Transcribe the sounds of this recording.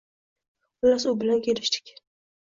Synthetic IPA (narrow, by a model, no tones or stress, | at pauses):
ʊlasʊbɪlankʰʲelɪʃt̪ʰɪ̥kʲ